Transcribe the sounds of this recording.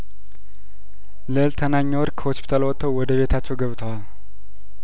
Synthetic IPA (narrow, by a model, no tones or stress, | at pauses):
ləɨlt̪ʰənaɲːəwɔɾkʰəhospʰi̥t̪ʰalwɔt̪ʰːəwwɔd̪əβe̞t̪ʰat͡ʃːɛwɡəβt̪ʰəwal